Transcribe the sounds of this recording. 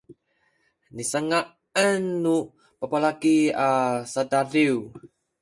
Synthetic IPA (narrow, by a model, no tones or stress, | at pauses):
nisəŋa | ənːu | papalakiasadaɾiw